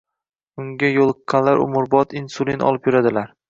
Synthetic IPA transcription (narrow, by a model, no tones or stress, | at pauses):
ʊŋɡʲajolˠɨqːɑnlaɾʊ̰mʊɾbɒt̪ʰinsulʲˠinɒ̰lˠɪpjʊɾad̪ɪlaɾ